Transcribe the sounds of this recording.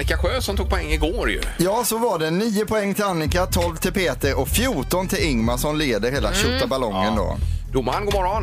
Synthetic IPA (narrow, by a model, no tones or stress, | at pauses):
nɪkaɧøːsɔmt̪ʰuːɡ̚pʰɔɛŋːɪɡoːɾjɵ̰jɑːsɔvaɖɛniːʊpʰɔɛŋːt̪ʰɪlanːɪkat̪ʰɔlvt̪ʰɪlpʰeːt̪əɾɔkfjuːʈɔnt̪ʰɪlɪŋmaʂɔmleːd̪əɾɦeːlaɕœtːabalɔŋːənd̪o̰ːd̪ʊmːanɡomɔɾan